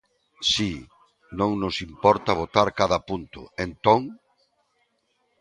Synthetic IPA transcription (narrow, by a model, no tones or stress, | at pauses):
si | nõŋnʊsimpɔɾt̪ɐβ̞ot̪aɾkaðɐpunt̪ʊ̰ent̪oŋ